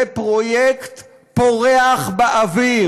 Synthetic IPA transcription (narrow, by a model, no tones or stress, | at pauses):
epʁojekt̪ | poʁeaχbaʔavi